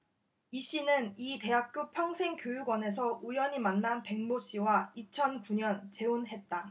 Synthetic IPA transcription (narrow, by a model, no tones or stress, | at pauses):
iɕ͈inɯnite̞ɦak̚k͈jopʰjʌŋsʰe̞ŋkjojuɡwʌne̞s̬ʰʌʔujʌɲimanːanpe̞ŋmoɕ͈iwait͡ɕʰʌnkuɲʌnt͡ɕe̞onɦe̞t̚t͈a